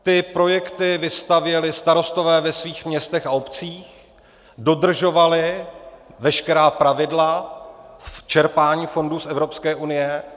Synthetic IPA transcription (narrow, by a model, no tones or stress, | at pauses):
t̪ɪpɾo̞jɛkt̪ɪvɪst̪avjɛlɪst̪aɾo̞st̪o̞vɛːvɛsviːxmɲɛst̪ɛxaopt͡siːx | do̞d̪r̩ʒo̞valɪ | vɛʃkɛɾaːpɾavɪdla | ft͡ʃɛɾpaːɲiːfo̞ndusʔɛvɾo̞pskɛːʔunɪjɛ